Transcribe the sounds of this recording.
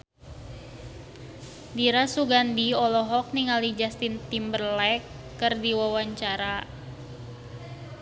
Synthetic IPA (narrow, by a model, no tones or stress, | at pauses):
diɾasuɡandiɔlɔɦɔk̚niŋalid͡ʒast̪int̪imbərlɛkː | ərdiwawaɲt͡ʃaɾa